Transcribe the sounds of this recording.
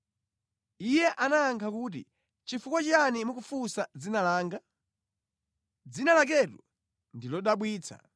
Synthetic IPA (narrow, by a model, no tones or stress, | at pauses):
ijɛʔanaːŋkʰakuːt̬ḭ | t͡ʃifukwat͡ʃanimukufusad͡zinalaːŋɡa | d͡zinalak̬ɛtṵ | ndilɔɗaɓwiːt͡sʰa̰